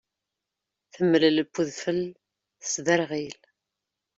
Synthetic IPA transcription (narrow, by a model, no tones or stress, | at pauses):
θəmːəlləpːuðfəl | əsðəɾʁil